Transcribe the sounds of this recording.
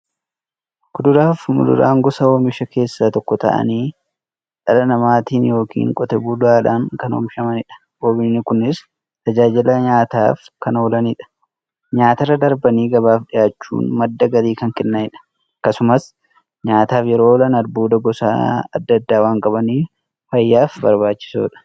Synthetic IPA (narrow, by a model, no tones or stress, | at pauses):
kʊd̪ʊɾaːfmʊ̰lʊ̰ɾa̰ːŋɡɔsɐoːmɪʃɐke̞ːsːaːt̪ɔkːɔt̪ɐ̰ʔɐ̰niː | ᶑʼɐlɐnɐmaːt̪iːnjo̞ːkʰḭːŋkʼɔt̪ɛbuːlʊaːᶑaːŋkɐno̰ːmɪʃɐmɐnɪᶑɐ̥ | boːbɪnːɪkʊnːɪs | t̪ɐd͡ʒaːd͡ʒɪlɐɲaːt̪a̰ːfkɐnoːlɐniᶑɐ̥ | ɲaːt̪ɐrːɐd̪ɐɾbɐniːɡɐbaːfɗɪjaːt͡ʃːṵːnmɐd̪ːɐɡɐɾiːkɐŋkɛnːɐnɪᶑɐ̥ | kːɐsʊmɐs | ɲaːt̪aːfjɛɾo̞ːlɐnɐɾbuːd̪ɐɡɔsa̰ːɐ̰d̪ːɐd̪ːaːwaːŋkʼɐbɐniː | fɐjːaːfbɐɾbaːt͡ʃːɪ̥so̰ːᶑɐ̥